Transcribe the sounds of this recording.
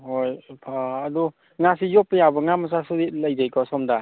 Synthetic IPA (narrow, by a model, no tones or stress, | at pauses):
hojpʰaːdu | ŋasijɔpːəjabɯŋamas̬asudilajd͡ʒajkʰɔsɔmda